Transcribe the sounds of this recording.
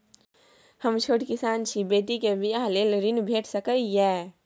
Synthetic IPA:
həmt͡ʃʰoːʈkɪsaːnt͡ʃʰibeːʈ̪ikebʱiaɦleːlɾɪnbʱeːʈʰsəkəijɛː

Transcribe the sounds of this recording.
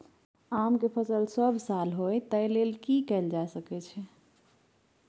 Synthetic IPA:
amkepʰəsəlsəbʱsalɦojt̪əjlelkikɛɪld͡ʒasəkɛt͡ʃʰɛ

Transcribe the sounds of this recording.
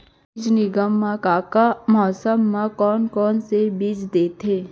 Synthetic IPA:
d͡ʒnɪɡəmːãkaːkamɔːsəmːãkɔːnkɔːnsebiːd͡ʒd̪eːt̪ʰeː

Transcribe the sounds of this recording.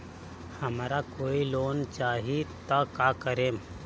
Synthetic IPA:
həmɾakoːiloːnt͡ʃaːɦit̪əkakəɾeːm

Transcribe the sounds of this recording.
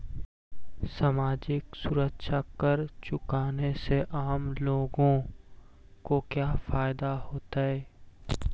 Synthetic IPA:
samaːd͡ʒɪksʊɾəkʃakəɾt͡ʃʊkaːneseʔaːmloːɡõ | kokjaːfaːɪd̪ahoːt̪aɦɛː

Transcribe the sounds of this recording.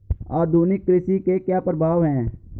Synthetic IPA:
aːd̪ʱuːnɪkːɾɪsikekjaːpəɾəbʱaːʋɦɛ̃ː

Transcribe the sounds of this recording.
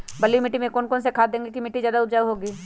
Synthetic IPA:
bɐlimɪʈːimẽkɔːnkɔːnsekʰaːd̪ẽːŋɡekimɪʈːizjaːd̪aʊt̪d͡ʒaːɦoːɡiː

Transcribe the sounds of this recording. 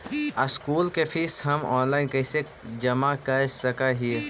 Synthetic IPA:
ɐskuːlkepʰisɦɐmɔːnlaːɪnkɐːse | d͡ʒɐmakɐɾsɐkaɦie

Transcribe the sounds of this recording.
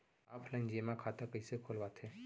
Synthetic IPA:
aːpʰləɪnd͡ʒemãkʰaːt̪akəisekʰolbat̪ʰẽː

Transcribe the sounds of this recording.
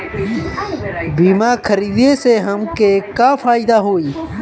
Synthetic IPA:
biːmaːɾkʰəɾiːd̪eːseːɦəmkeːkaːfʰaːid̪aːɦoːiː

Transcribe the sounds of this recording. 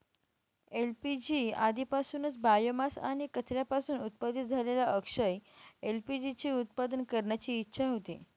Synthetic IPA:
elpid͡ʑiad̪ʱipasuːnət͡sbajəmasa̰ɽ̃ikət͡sɾjapasuːnut̪̚pad̪ʱit̪̚d͡zʱalelaʔəkʂəjelpid͡ʑit͡ɕiːut̪̚pad̪ənkəɾɳjat͡ɕiːtːɕʰaɦot̪ḭ

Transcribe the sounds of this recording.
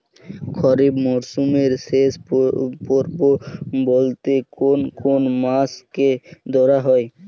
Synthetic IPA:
kʰɔɾibmɔɾsumeɾseʃpɔɾbobolt̪ekonkonmasked̪ɔɾaɦɔe

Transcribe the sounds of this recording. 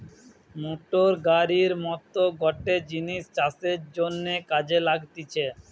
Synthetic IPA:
moʈoɾɡaɾiɾmɔt̪oɡɔʈed͡ʑiniʃt͡ɕaseɾd͡ʑonːekad͡ʑelaɡt̪it͡ɕʰe

